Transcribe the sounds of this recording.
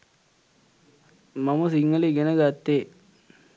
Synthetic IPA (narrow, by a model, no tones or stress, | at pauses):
mamɐsiŋːəliɡenəɡat̪ːe